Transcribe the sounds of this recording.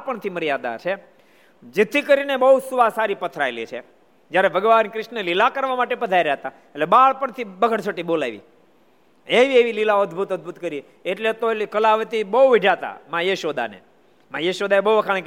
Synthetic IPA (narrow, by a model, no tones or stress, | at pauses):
pəɳt̪ʰiməɾjad̪a̰t͡ʃʰe | d͡ʒet̪ʰikəɾinebəusuʋasaɾipət̪ʰɾaelit͡ʃʰḛ | d͡ʒjaɾebʱəɡʋankɾɪʃnelilakəɾʋamaʈepəd̪ʱaiɾaɦt̪a | eʈlebaɦɭpəɳt̪ʰibəɡʱəɽt͡ʃʰəʈibola̰ʋḭ | eʋieʋililaəd̪bʱut̪əd̪̚bʱut̪kəɾi | eʈlet̪oeikəlaʋət̪ibəɦuʋiɖʱat̪a̰mãjeʃod̪a̰nḛ | majeʃod̪aebəuəkʰaɭ̃k